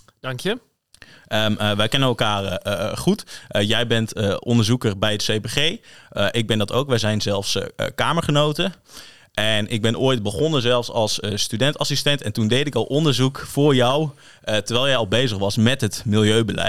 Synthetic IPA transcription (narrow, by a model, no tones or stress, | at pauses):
d̥ɑŋkjə | əʋɛjkɛnənɛlˠkaːrχutjɛjbɛntɔndəɹzukəɹbɛjətsejbeχejəʔɪɡ̚bɛndɑto̰wkʋɛjzɛjnzɛlˠfskaːməɹχənowtə | ʔɛnʔɪɡ̚bɛnʔoːjt̚bəχɔnəzɛlˠfsɑlˠsstydɛntasistɛntɛntundejtɪkɔlˠʔɔndəɹzukfʊːɹjɔw | təɹʋɛlˠjɛjɑlˠbejzəχʋɑsmɛtɦətmɪlˠjøɥbəlɛ̰